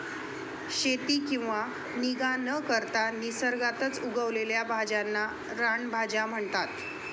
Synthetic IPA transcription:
ɕet̪iːkĩw̃ʋa | niɡanəkəɾt̪anisəɾɡat̪ət͡suɡəʋleljabʱad͡ʑanːa | ɾaɳbʱad͡ʑam̤əɳt̪at̪

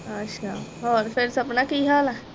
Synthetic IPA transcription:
əɕʰaɔɾfeɾsəpnakiɦala

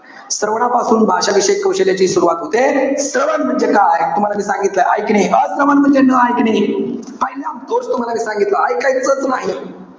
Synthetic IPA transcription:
səɾʋɳ̃apasuːnbʱaɕaʋiɕəkːəwɕeljat͡ɕiːsuɾuʋat̪ɦot̪esɾəʋənm̤əɳd͡zekajt̪um̤alamiːsãŋɡit̪ləʔa̰jkɳiːʔəd͡zkɾəmanm̤ənd͡zenəajkɽiːpəɦileamt̪ost̪um̤alamiːsãŋɡit̪laːjikait͡sət͡snaɦi

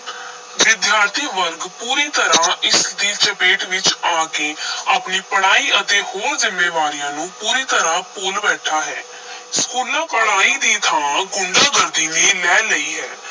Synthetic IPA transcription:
ʋɪd̪jaːɾt̪ʰiːʋəɾɡpuːɾiːt̪əɾãːʔɪsd̪iːt͡ʃəpeːʈʋɪt͡ʃaːkeːaːpniːpəɽ̤̃aːiːʔət̪eːhoːɾzɪmːeːʋaːɾijãːnũːpuːɾiːt̪əɾãːpoːlbɛːʈʰaːɦɛː | skuːlãːpəɽaːiːd̪iːt̪ʰaːãɡʊɳɖaːɡəɾd̪iːneːlɛːləiːɦɛː

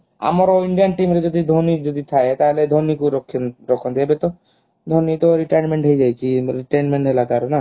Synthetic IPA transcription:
a̰maɾoiɳɖijanʈimɾed͡ʒɔd̪id̪ʱonid͡ʒod̪it̪ʰaet̪aɦeled̪ʱonikuɾɔkʰːinɾɔkʰːɔnd̪ebet̪ɔ | d̪ʱonit̪ɔɾiʈajnmeɳʈɦejd͡ʑajt͡ɕʰiɾiʈajnmeɳʈɦelak̪aɾɔna

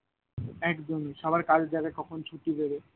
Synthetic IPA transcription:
ɛkd͡ʑoniʃɔbʱaɾkad͡ʑd͡ʑaɡakɔkʰont͡ɕʰuʈibebe

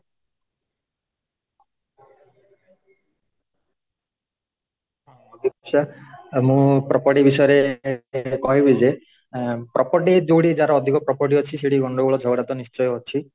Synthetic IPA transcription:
ɔd̪ʱipɔsamũpɾɔpɔʈibisɔjɔɾe | kɔɦibid͡ʒe | pɾʔɔpɔɾʈid͡ʒoɽid͡ʒaɾaɔd̪ʱikɔpɾɔpɔʈ̬iɦɔt͡ʃʰiseɽiɡɔɳɖoɡuɭɔd͡ʒʱɔɡɽat̪ɔnist͡ʃɔjɔɦɔt͡ʃʰi

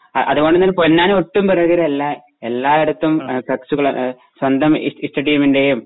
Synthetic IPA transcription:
ɐʔɐ̰ðuɣoɳɖinːɐːlponːaːnoʈːumpɐrɐɣɐɾelːa | elːaːeɽut̪ːumpɐksuɣɐɭ | swɐnd̪ʱɐm̰isʈɐɽijɐminde̞jum

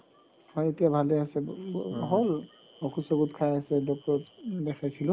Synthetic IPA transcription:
hɔjetijabʱalɛasɛɔɦɔl | ɔkʰusɔɡutkʰajasɛdɔk̚tɔɔtdɛxʰajsʰilʊ̃

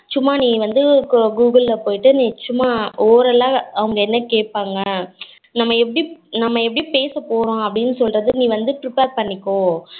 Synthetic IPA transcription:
t͡ʃːʊmːaːnĩːʋɐnd̪ɯɡuːɡɐlːɐpoːjɪʈːɯnɪt͡ʃːʊmːaːoːɾɐlːãːɐʋɐŋɡɐɛnːɐkeːʈpaːŋɡɐ | nɐmːɐɛpːɐɽinɐmːɐɛpːɐɽipeːsɐpoːɾõːɐpːɐɽɪnːɯsɔlɾɐðɯnĩːʋɐnd̪ɯpɾɪpeːɾpɐɳːɪkːõː

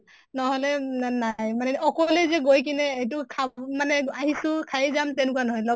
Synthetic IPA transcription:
nɔɦɔlɛnajmanɛɔkɔlɛzɛɡojk̬inɛejt̬ʊkʰamanɛaɦisʊkʰajɛzamtɛnʊkwanɔɦɔjlɔ

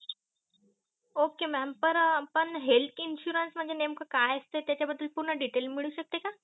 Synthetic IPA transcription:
okemɛmpəɾpəɳɦelt̪ʰinɕuɾənsm̤əɳd͡zʱenemkəkajəst̪et̪jat͡ɕjabəd̪ːəlpuɾɳəɖiʈelmiɭuːɕək̚t̪eka

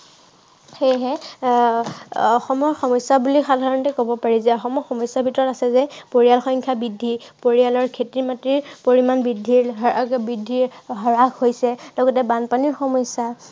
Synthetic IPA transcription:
xejɦɛ | ɔxɔmɔɹxɔmɔjsːabulixadʱaɹɔntɛkobɔpaɹizɛɔxɔmɔɹxɔmɔjsːabʱitɔɹɔtasɛzɛpoɹialxɔjŋkʰjabidʱːipoɹialɔɹkʰetimatɹiɹpoɹimanbidʱːiɹbidʱːiɹɦɔɹakhojsɛlɔɡɔtɛbanpaniɹxɔmɔjsa

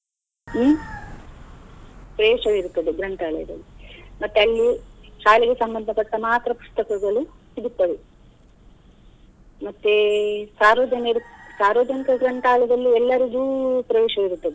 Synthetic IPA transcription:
mː | pɾɐeːʂɐʋiɾut̪ːɐd̪eɡɾɐɳʈaːɭɛ̰jd̪ɐ̰lːimɐt̪ːeɐlːiʃaːleɡesɐmbɐnd̪ʱɐpɐʈːɐmaːt̪ɾɐpu̥st̪ɐkɐɡɐɭusiɽut̪ːɐʋe | mɐt̪ːesaːɾʋɐːd͡ʒɐneɾusaːɾʋoːd͡ʒɐnikɐɡɾɐɳʈaːlɐd̪ɐlːiɛlːɐɾiɡuːpɾɐʋɛːʂɐʋiɾut̪ːɐd̪e

